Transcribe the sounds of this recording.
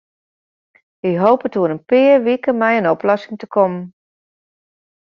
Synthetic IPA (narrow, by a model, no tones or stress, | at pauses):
ɪɦoːpətuənənpɪərʋikəmɛjənɔplɔsɪŋtəkʰɔmən